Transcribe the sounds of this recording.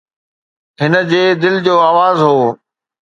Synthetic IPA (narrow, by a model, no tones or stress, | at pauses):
ɦɪnə̆d͡ʑeːd̪ɪld͡ʑoːaːʋaːzɦoː